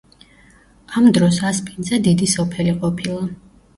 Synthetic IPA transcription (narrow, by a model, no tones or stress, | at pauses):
amd̪ɾɔsaspʰinzɛd̪id̪isɔpʰɛliqʼɔpʰilˠa